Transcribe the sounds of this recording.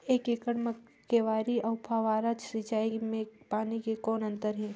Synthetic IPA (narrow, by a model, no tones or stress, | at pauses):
eːkeːkəɽmə | keʋaːɾiɐʊpʰaʋaːɾad͡ʒsit͡ʃaːimẽpaːnikekɔːnɐ̃nt̪əɾɦɛ̃ː